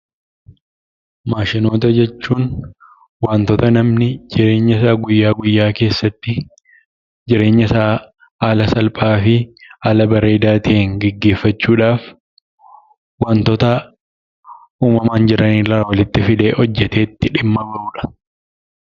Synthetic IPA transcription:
maːʃɪno̞ːt̪ɐd͡ʒɛt͡ʃːuːn | waːnt̪ɔt̪ɐnɐmnɪd͡ʒɪɾe̞ːɲːɐsaːɡʊjːaːɡʊjːaːke̞ːsːɐt̪ːɪ | d͡ʒɪɾe̞ːɲːɐsaː | haːlɐsɐlpʼaːfɪɐlɐbɐɾeːd̪aːt̪ɪːŋɡɛɡːe̞ːfːɐt͡ʃːuːᶑaːf | waːnt̪ɔt̪ɐ | uːmɐmaːnd͡ʒɪɾɐniːlɐːwɐlɪt̪ːɪfɪd̪e̞ːʔɔd͡ʒːɛt̪e̞ːt̪ːɪᶑɪmːɐbɐɾuːᶑɐ̥

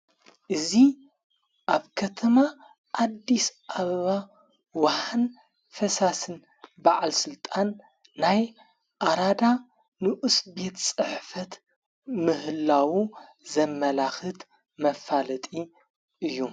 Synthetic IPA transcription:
ʔɨzi | ʔaβkʰɐt̪ʰɐma | ʔːd̪ːisʔaβɐβa | waħan | fɐsasɨn | baʕalsɨlt̪ʼanː | aj | ʔaɾad̪a | nɨʔɨsbe̞t̪sʼɨħfɐt̪ | mɨhɨlːawu | zɐmːɐlaxɨt̪ | mɐfalɐt̪ʼi | ʔɨjːu

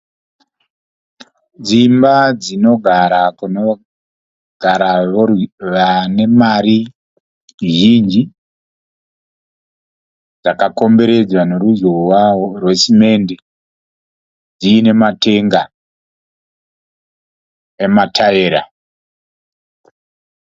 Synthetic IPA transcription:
d͡zimbad͡zino̞ɡʱaɾakuno | ɡ̥ʱaɾaoʋane̞maɾi | ʒind͡ʒi | d͡zakako̞mbe̞ɾe̞d͡zwane̞ɾuzowaorwe̞sime̞nde | d͡ziːne̞mate̞ŋɡa | ematʰaeɾa̰

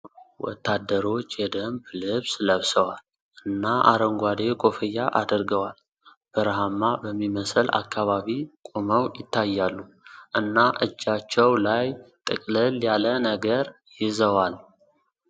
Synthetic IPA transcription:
wɔ̰t̪ːad̪ːəɾo̞t͡ʃːjɛd̪əmblɨβsləβsəwal | ʔɨnːaʔa̰ɾəŋɡʷad̪ekʼo̞fəjːaʔad̪əɾɡəwal | b̥əɾɦamːabəmːiməsəla̰kːaβaβikʼoməwjɪt̪ʰːajːalːu | ʔɨnːaʔɨd͡ʒːat͡ʃːɛwlajt̪ʼɨkʼləljalənəɡəɾ | jɪzəwal

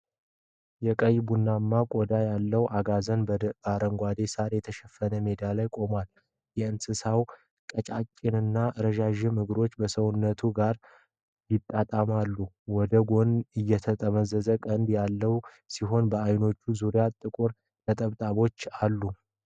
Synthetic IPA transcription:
jɛkʼəjbunːamːakʼod̪ajalːəwʔaɡazənbbaɾəŋɡʷad̪e̞saɾjɛt̪ʰəʃɛfːənəmed̪alajkʼo̞mal | jɛɨnsɨsaw | kʼət͡ʃʼat͡ʃʼːɪnɨnːaʔɾəʒaʒɪmɨɡɾo̞t͡ʃːbəsəwunːət̪ʰuɡaɾ | jɪt̪ʼːat̪ʼamalːu | wɔd̪əɡo̞nɨjːɛt̪ʰət̪ʼəməzəzəkʼənd̪jalːəw | siɦo̞nbəajno̞t͡ʃːuzuɾijat̪ʼɨkʼuɾ | t̪ʰət̪ʼəβt̪ʼaβo̞t͡ʃːalːu

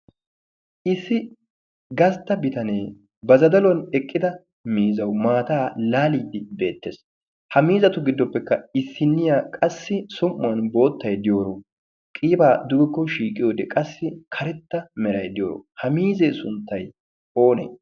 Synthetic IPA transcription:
ʔɪsːɪ | ɡɐst̪ːɐbɪt̪ɐneː | bɐzɐd̪ɐlɔnɛkʼːɪd̪ɐ | miːzɐwmaːt̪aːlaːliːd̪ɪbe̞ːt̪ːḛːs | hɐmiːzɐt̪ʊɡɪd̪ːɔpːɛkːɐɪsːɪnːɪjaːkʼɐsːɪsʊmːʊwɐnbo̞ːt̪ːɐjd̪ɪjo̞ːɾo | kʼiːbaːd̪ʊbɪkːɔʃiːkʼɪjoːd̪ɛkʼɐsːɪkʰɐɾɛt̪ːɐmɛɾɐjd̪ɪjoːɾo̰hɐmiːzeːsʊnt̪ːɐj | o̞ːnḛ

